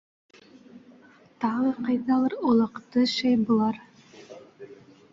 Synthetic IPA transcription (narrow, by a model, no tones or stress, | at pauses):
t̪ɑʁɤqɑjðɑlˠɤɾulˠɑ̆qt̪ɤʃæjbŭlˠɑɾ